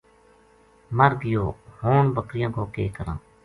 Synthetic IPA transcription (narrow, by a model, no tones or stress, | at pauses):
məɾɡɪjoːhoːnbəkɾɪjãːkoːkeːkəɾã̰ː